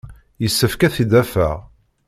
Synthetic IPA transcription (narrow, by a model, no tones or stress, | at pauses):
jəsːəfkæθid̪æfæ̰ʁ